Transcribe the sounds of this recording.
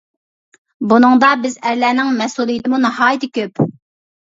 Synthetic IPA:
bunɨŋd̪ɑbɪzɛɾlɛːnɪŋmɛsulˠijit̪ɪmunɑɦɑːjit̪ʰɪkʲøp

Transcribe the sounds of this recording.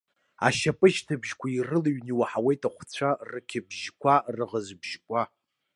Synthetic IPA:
a̰ʃapʼɨʒtʰɨbʒkʷʰairɨlaɥniwaħawejtʼaχʷt͡sʷʰarɨkʲʰɪbʒkʷʰarɨʁəzbʒ̥kʷʼa

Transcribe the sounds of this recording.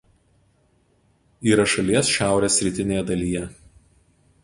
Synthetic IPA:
iːɾɐʃɐlʲiɛsʃʲæˑʊɾʲeːsʲːɾʲɪt̪ʲɪnʲeːjɛd̪ɐlʲiːjɛ

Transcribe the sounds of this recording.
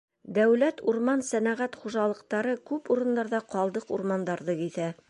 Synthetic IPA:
d̪æwlæt̪uɾmɑnsænæʁæt̪χuʒɑlˠɤ̆q̚t̪ɑɾɤkʉpuɾɤ̆nd̪ɑɾðɑqɒlˠd̪ɤqṵɾmɑnd̪ɑɾðɤkiθæ

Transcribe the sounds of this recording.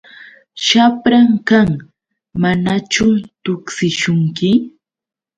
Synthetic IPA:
ʃapɾaŋkaŋ | manat͡ʃʊt̪ʊksɪʃʊŋkɪ

